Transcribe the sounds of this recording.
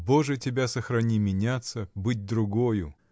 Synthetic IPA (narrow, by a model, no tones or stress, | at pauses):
boʐɨtʲɪbʲasəxɾɐnʲimʲɪnʲat̪səbɨt̚ʲd̪ɾʊɡojʊ